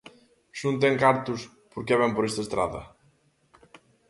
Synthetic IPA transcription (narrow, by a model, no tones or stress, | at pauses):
ʃunt̪ɛŋkaɾt̪ʊs | poɾkɛβɛmpoɾest̪ɐest̪ɾa̰ðɐ̰